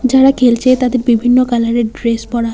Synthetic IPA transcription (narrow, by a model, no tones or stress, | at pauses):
d͡ʑaɽakʰelt͡ɕʰet̪ad̪eɾbibʱinːokalaɾeɖɾespɔɽa